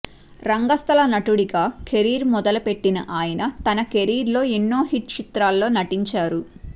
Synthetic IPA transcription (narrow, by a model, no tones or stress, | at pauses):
ɾɐŋɡɐst̪ʰɐlɐnɐʈuɽikaːkʰe̞ɾiːɾmɔd̪ɐlɐpe̞ʈːinɐ̰ʔaːjɐnɐt̪ɐnɐke̞ɾiːɾlo̞ːenːoːɦiʈt͡ʃit̪ɾaːlːo̞ːnɐʈiɲt͡ʃaːɾu